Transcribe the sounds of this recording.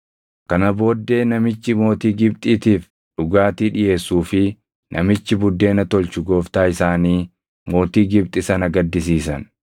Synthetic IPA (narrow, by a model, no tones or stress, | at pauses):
kɐnɐbo̞ːd̪ːe̞ːnɐmɪt͡ʃːɪmo̞ːt̪iːɡɪbt̪ʼiːt̪iːf | ᶑʊɡaːt̪iːᶑɪje̞ːsːuːfɪ | nʔɐ̰mɪt͡ʃːɪbʊd̪ːe̞ːnɐt̪ɔlt͡ʃʊɡo̞ːft̪aːɪsaːniː | mo̞ːt̪iːɡɪbt̪ʼɪsɐnɐɡɐd̪ːɪsiːsɐn